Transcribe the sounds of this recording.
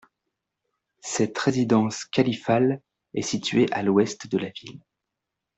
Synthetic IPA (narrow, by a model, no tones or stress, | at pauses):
sɛt̪ʁezid̪ɑ̃skalifal | ɛ̰sit̪ɥeʔalwɛst̪d̪əlavil